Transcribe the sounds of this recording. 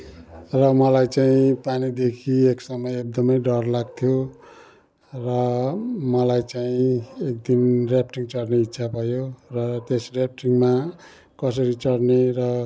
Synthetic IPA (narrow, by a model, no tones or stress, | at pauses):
rʌmʌlajt͡saĩpanid̪ekʰieksʌmʌjek̚d̪ʌmʌjɖʌrlaɡ̚t̪ʰjo | rʌmʌlajt͡saĩek̚d̪inrjapʈiŋt͡sʌɽneit̪ːsʰabʱʌjorʌt̪esrjap̚ʈiŋma | kʌs̬ʌɾit͡sʌɽnerʌ